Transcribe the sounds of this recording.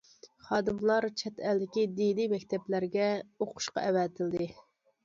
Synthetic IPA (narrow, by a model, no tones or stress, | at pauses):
χɑːd̪ɨmlˠɑɾt͡ʃʰɛt̪ʰɛld̪ɪkʲid̪inimɛkʲt̪ʰɛplæɾɡʲɛoqʰʊ̥ʃqɑ̰ʔɛwɛt̪ʰɪld̪ɪ